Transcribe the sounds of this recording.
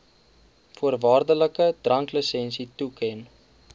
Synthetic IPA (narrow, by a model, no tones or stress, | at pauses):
fuərvɑːrdələkədrɐŋkləsɛnsitukʰɛn